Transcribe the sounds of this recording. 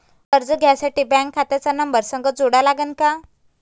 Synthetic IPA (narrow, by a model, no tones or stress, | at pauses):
əɾd͡zəɡʱjasaʈiːbãŋkʰːat̪jat͡sanəmbəɾsəŋɡəd͡zoɽalaɡənka